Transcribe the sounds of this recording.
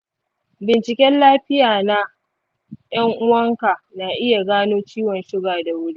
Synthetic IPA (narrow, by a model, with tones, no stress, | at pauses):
bɪ˨nt͡ʃɪ˨kʲɛ˦nlaː˦ɸɪ˦jaː˨na˦ | j̰ɐ˦ŋʔʊ˦wɐ˦ŋka˨naː˨ʔɪ˦ja˨ɡaː˦noː˦t͡ʃiː˦wɔ˨nʃɪ˦ɡaː˨da˨wʊ˦ɽi˦